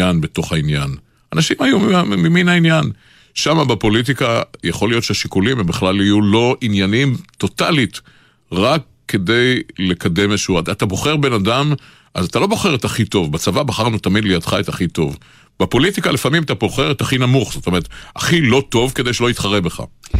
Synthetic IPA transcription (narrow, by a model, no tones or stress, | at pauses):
anbe̞to̞χainjan | anaʃimajummiminainjan | ʃamabepo̞lit̬ikajaχo̞lijotʃeaʃikulimembeχlalijulo̞ʔinjanimto̞talit | ʁakːe̞de̞jlekade̞meʃuatat̪abo̞χeʁbe̞nadam | ʔazat̪alo̞bo̞χe̞ʁetaχito̞vbat͡savabaχaʁnutamid̪lejadχaet̪aχito̞̰v | b̥epo̞litikalefamimatabo̞χe̞ʁetaχinamuχz̥otomeʁet̪a̰χilo̞to̞vke̞d̪ejʃeloitχaʁebeχa̰